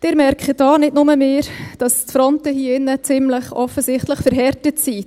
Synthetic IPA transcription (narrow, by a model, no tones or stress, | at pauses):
d̥ɪːɾmɛɾkχəd̥ɑːnɪdnʊməmeːɾd̥ɑstfɾɔntəhiɪnət͡sɪmləχʔɔfəsɪχtləχfəɾɦɛɾtətsi